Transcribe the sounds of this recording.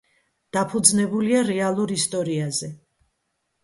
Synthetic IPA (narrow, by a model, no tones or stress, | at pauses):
d̪̥apʰud̪znɛbuliaɾɛalˠuɾist̪ʼɔɾiazɛ